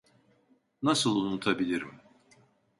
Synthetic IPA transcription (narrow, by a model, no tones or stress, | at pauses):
nasɯlˠunut̪ʰabilʲiɾḭm